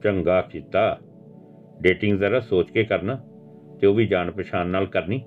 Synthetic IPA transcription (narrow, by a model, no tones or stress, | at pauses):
t͡ʃəŋɡaːkʰɪt̪aː | ɖeːʈɪŋɡzəɾaːsoːt͡ʃkeːkəɾnaː | t̪eoːʋiːd͡ʒaːnpəʃaːnːaːlkəɾniː